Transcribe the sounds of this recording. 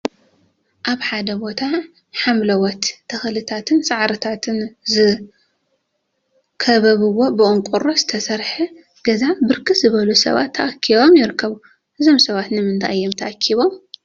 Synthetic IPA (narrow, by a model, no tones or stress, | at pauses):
ʔaβħad̪ɐbo̞t̪ʰa | ħamlɐwɔt̪ːʰɐxlɨt̪ʰat̪ʰɨnsaʕɾɐt̪ʰat̪ʰɨnzɨ | kʰɐβɐβɨwːo̞bɨʔʼɨŋkʷʼuɾoz̥ɨt̪ʰɐsɐɾħɨ | ɡ̥ɐzabɨɾkʰɨt̪zɨβɐlusɐ̰βa̰t̪ʰːɐʔakʰːiβo̞mjɪɾɨkʰːɐβu | ʔɨzo̞msɐβat̪nɨmɨnt̪ʰa̰jːomt̪ʰɐʔakʰːiβo̞m